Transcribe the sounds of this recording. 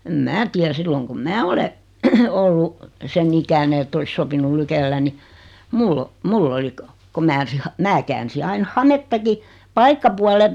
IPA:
em mæː tiær silːoŋ kum mæː ole olːu sen ikæne etː olis sopinul lykelːæ ni mulː o mulː oli ko ko mæː mæ kæːnsi ɑin hɑmetːɑki pɑikːɑpuɑlem

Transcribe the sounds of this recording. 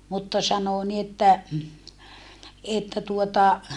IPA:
mutːɑ sɑnoˑ ni etːæ etːæ tuotɑ

